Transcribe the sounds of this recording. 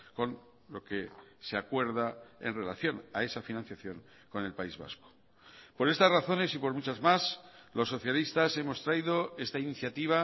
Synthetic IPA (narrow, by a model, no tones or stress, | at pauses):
ko̞n | lo̞keseakwe̞ɾðae̞̰nre̞laθjo̞na̰e̞safinãnθjaθjo̞ŋ | ko̞ne̞lpaizβa̰sko̥ | po̞ɾe̞st̪azraθo̞ne̞sipo̞ɾmut͡ʃazmaslo̞sːo̞θjalist̪ase̞mo̞st̪ɾaiðo̞e̞st̪ainiθjat̪iβ̞a